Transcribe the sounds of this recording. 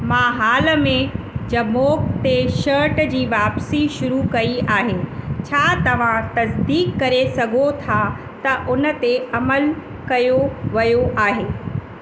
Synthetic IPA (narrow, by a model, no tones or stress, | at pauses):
mãːɦaːləmẽ | d͡ʑɐmoːkt̪eʃɐɾʈd͡ʑiːʋaːpsiʃʊɾukɐiaːɦeːt͡ɕʰaːt̪ɐʋ̤ãt̪ɐsd̪iːkːɐɾesɐɡʱot̪ʰa | t̪ɐʔʊnə̆t̪eɐməl | kɐjoʋɐjoʔaːɦeː